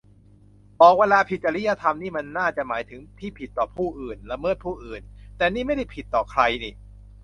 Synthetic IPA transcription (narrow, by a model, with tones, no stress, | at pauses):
bɔː˨˩k̚weː˧laː˧pʰi˨˩t̪̚t͡ɕːa˧li˦˥ja˧t̪ʰa˧mniː˥˩ma˧nːaː˥˩t͡ɕa˨˩ʔmaː˩˦jt̪ʰɯ˩˦ŋt̪ʰiː˥˩pʰi˨˩t̪ːɔː˨˩pʰuː˥˩ʔɯː˨˩nla˧mɤː˥˩t̪̚pʰuː˥˩ʔɯː˨˩nt̪ɛː˨˩niː˥˩ma˥˩jda˥˩jpʰi˨˩t̪ːɔː˨˩kʰɾa˧jni˨˩